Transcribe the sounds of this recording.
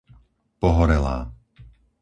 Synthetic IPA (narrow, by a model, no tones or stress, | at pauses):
pɔɦɔɾɛla̰ː